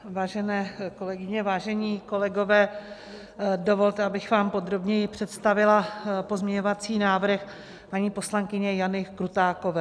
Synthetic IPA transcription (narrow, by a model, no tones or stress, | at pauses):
vaːʒɛnɛːko̞lɛɡɪɲɛvaːʒɛɲiːko̞lɛɡo̞vɛː | do̞vo̞lt̪ɛabɪxvaːmpo̞d̪ɾo̞bɲɛjɪpr̝̥ɛt̪st̪avɪlapo̞zmɲɛɲo̞vat͡siːnaːvɾ̩x | paɲiːpo̞slaŋkɪɲɛjanɪkɾut̪aːko̞vɛː